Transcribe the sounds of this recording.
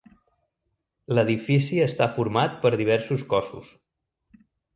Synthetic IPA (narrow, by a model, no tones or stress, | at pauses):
ləðifisiəst̪afuɾmat̪̚pəɾðiβ̞ɛɾsuskɔsṵs